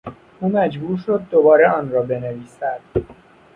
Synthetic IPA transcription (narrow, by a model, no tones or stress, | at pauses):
ʔuːmæd͡ʒbuːɾʃod̪̚ːobɒːɾeʔɒːnɾɒːbe̞neviːsæd̪̥